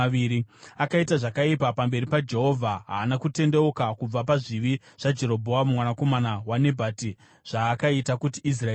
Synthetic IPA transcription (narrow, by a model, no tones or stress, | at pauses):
iɾiakaitaʐakaipapambe̞ɾipad͡ʒe̞ɦo̞vʱaɦaːnakute̞nde̞okakub͡vapaʐiʋi | ʐ̥ad͡ʒe̞ɾo̞bʱo̞amumwanako̞manawane̞bʱaːti | ʐ̥aːkaitakutiːs̬ra